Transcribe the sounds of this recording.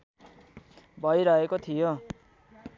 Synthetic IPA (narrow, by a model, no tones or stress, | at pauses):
bʱʌjɾʌɦekot̪ʰijo